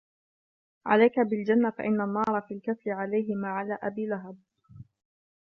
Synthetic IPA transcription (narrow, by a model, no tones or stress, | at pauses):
ʕa̰lajkabɪld͡ʒanːafa̰ʔɪnːanːɑːɾˤɑfiːlkaθlɪʕalajɦɪmaːʕalaːʔabiːlaɦad̚